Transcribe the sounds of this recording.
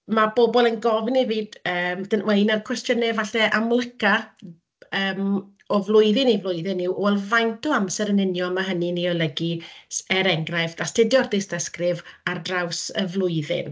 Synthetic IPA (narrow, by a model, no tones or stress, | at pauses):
mabobɔlˠənɡɔvniviːdəːmd̥ənweɨnarkʰwɛstjənɛvaɬɛʔamlˠɪka | əːm | ɔvlˠʊɨðɪnivlˠʊjðɨnːɪwʔɔɛlˠvajntʰuamsɛɾənɪnjɔmaɦənɨniɔlˠəɡisɛɾɛŋɡrajfdastʰɪdjɔrdɪstəskrɪvardrawsəvlˠʊɨðɪ̰n